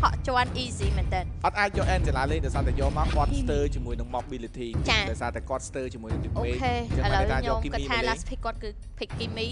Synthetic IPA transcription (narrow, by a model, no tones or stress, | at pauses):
hɑʔt͡ɕŏənʔiːziːmɛːnt̪ɛːnʔɑt̪̚ʔaːc̚jɔːʔɛːnt͡ɕəlaːleːɲ̚ɗaɔjsaːt̪ajɔːmaɔkŏət̪̚st̪əːt͡ɕiəmuəjnɨŋmɔk̚ɓiːlit̪ʰiːt͡ɕaːɗaɔjsaːt̪aːkŏət̪st̪əːt͡ɕiəmuənɨŋt̪iʔoːekʰeːəŋʔəːləawk̪aːɲoɔːmkikɨtiːlaspʰikːŏət̪̚kɨː | pʰikkːimiː